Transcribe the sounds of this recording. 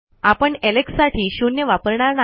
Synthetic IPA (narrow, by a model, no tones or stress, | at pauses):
apəɳeleksːaʈʰiːɕunjəʋapəɾɳaɾna